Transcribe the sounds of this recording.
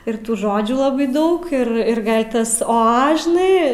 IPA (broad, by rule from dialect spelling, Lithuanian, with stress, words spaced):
ɪr ˈtuː ˈʒoːd͡ʒʲuː lˠɐˈbɐɪ ˈdɐʊk ˈɪr ɪr ˈɡɐlʲ ˈtɐs ˈoː ˈɐ ʒʲɪˈnɐɪ